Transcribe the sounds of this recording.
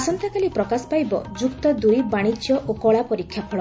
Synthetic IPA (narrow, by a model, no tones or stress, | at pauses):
asɔnt̪akalipɾɔkasɔ̥pajbɔ̰d͡ʒukt̪ɔd̪ujbaɽ̃it͡ʃjɔʔokɔɭapɔɾikʰːjapʰɔɭɔ